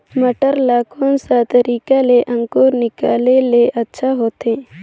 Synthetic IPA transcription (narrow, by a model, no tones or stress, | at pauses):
məʈəɾlaːkonsat̪əɾiːkaleʔə̃ŋkoːɾnɪkaːleleʔətːʃʰaɦoːt̪ẽ